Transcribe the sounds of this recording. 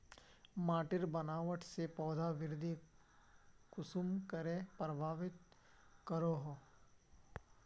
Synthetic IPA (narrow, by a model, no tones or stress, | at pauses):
maːʈɪɾbɐnaːʋəʈʰsepɔːd̪ʱaʋɪɾd̪ʱi | kʊsumkəɾepɾəbʱaːʋɪt̪ | kəɾoːɦoː